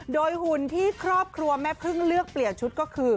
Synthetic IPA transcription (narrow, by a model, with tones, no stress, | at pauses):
doː˧jhu˨˩nt̪ʰiː˥˩kʰɾɔː˥˩p̚kʰɾu˧ɐmɛː˦˥˩pʰɯ˥˩ŋlɯ˥˩ək̚pli˨˩ənt͡ɕʰu˦˥t̪̚kɔː˥˩kʰɯː˧